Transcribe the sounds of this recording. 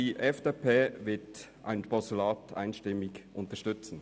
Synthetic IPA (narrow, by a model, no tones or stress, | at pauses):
iːʔɛfd̥epʰeːvɪtʔa̰ɪnpʰɔstulaːtʰa̰ɪnʃtɪmɪçʔʊntəɐʃtʏt͡sn̩